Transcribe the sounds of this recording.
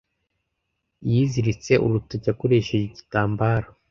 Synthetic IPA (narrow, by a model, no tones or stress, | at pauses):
jiːziɾit͡se̞ʔṵɾutoɟakoɾe̞ːʃe̞ʒeɟitaːmbaːɾo